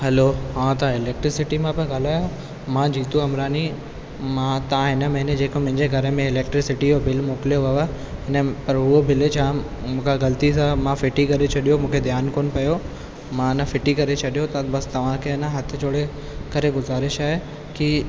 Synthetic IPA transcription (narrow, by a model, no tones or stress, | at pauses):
hɐloɦãːt̪ɐɪleːk̚ʈɾɪsɪʈimãbɪɡaːlaːjo | mãd͡ʑiːt̪uɐmɾaːni | mãːt̪ɐãɦɪnəmẽɦɪ̃nẽd͡ʑeːkomɐ̃ɦɪ̃ɲd͡ʑeɡʱɐɾəmẽɪleːk̚ʈɾɪsɪʈijobɪlmoːkɪljoʋaʋa | ɦɪnəpɐɾʊɦobɪlet͡ɕʰaː | mũːkʰaɣɐlt̪isãmãfɪʈikɐɾet͡ɕʰɐɗijomũːkʰed̪ʱjaːnkoːnɪ̆pɐjo | mãɪnəfɪʈikɐɾet͡ɕʰɐɗijot̪ɐbɐst̪ɐʋ̤ãkʰeɐnəɦɐt̪ʰɪ̆d͡ʑoːɽe | kɐɾeɡʊzaːɾɪʃaːɦe | ki